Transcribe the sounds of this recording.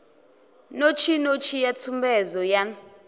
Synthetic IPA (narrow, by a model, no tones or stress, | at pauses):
not͡ʃʰinot͡ʃʰijatʰumbɛzɔja